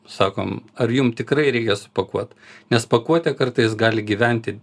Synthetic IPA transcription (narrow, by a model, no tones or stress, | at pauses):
sɑːko̰ːmɐrjʊmt̪ʲɪkɾɐɪɾʲɛɪkʲɛsʊ̥pɐkuɔt̪nʲɛspɐkuɔt̪ʲɛkɐrt̪ɐɪs̬ɡɑːlʲɪɡʲiːʋʲɛnʲt̪ʲɪ